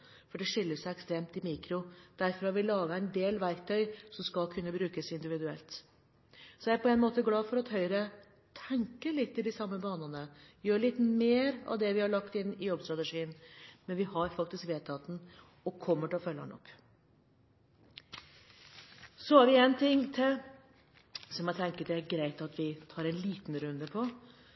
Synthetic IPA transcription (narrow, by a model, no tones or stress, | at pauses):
fɔɖɛʂɪlːəsæɪɛkst̪ɾeːmt̪ɪmiːkɾʊd̪̥æɾfɔɾhɑɾʋɪlɑːɡəæɪnd̪eːlʋæɾk̚t̪ʰœʏsɔmskɑlkʰʉnːəbɾʉːkəsɪnd̪ɪʋɪd̪ʉɛ̰lt̪ | sɔææɾpʰɔɛnmoːt̪əɡlɑːfɔɾɑt̪hœʏɾə | t̪ʰɛŋkəlɪt̪ːɪld̪ɪsɑmːəbɑːnənəjøːɭɪt̪meːɾɑ̰ʋd̪ɛʋɪhɑɭɑkt̪ɪnːɪjɔbst̪ɾɑt̪əʂiːənmɛnʋɪhɑɾfɑk̚t̪ɪskʋeːt̪ʰɑt̪n̩ | ɔkʰɔmːəʈɪlɔfœlːɑ̰nɔ̰kː | sɔhɑɾʋɪɛnt̪ʰɪŋːt̪ʰɪl | sɔmæt̪ʰɛŋkət̪ɛæɾɡɾæɪt̪ɑt̪ʋɪt̪ʰɑːɾɛnliːt̪nɾʉnd̪əpʰɔ